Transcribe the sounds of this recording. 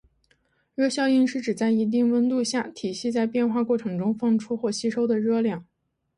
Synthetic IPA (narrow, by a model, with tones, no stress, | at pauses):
ɻɤ˥ɕjɑ˥˧ʊi˥˧nʂɻ̩˥˩ʈ͡ʂɻ̩˨˩t͡sa˥˩ɪi˧˥t̪̬i˥˩ŋwə˥nt̪u˥˧ɕja˥˩t̪ʰi˨˩ɕi˥˧t͡sa˥˧ɪpjɛ˥˧nxwa˥˧kwɔ˥˩ʈ͡ʂʰɤ˧˥ŋʈ͡ʂʊ˥ŋfɑ˥˩ŋʈ͡ʂʰu˥xwɔ˥˩ɕi˥ʂo˥ʊd̪ə˨ɻɤ˥ljɑ˥˩ŋ